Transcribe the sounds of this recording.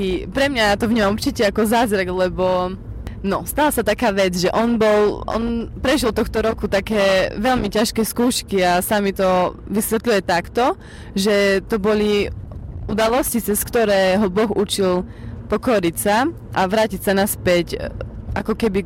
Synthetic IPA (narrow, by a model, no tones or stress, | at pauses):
ipɾɛmɲajat̪ɔvɲɔmuɾt͡ʃicɛakɔzaːzɾaɡlɛbɔ | nɔst̪alasat̪akaːʋɛd͡zʒɛʔɔnbɔlʔɔ̰npɾɛʒilt̪ɔxt̪ɔɾɔkut̪akɛːʋɛlmicaʃkɛːskuːʃkiasamit̪ɔʋisʋɛt̪lujɛt̪akt̪ɔ | ʒɛt̪ɔbɔli | ʔud̪alɔscit͡sɛskt̪ɔɾɛːɦɔbɔxut͡ʃilpɔkɔɾicsa | ʔaʋɾaːcicsanaspɛcʔa̰kɔkɛbi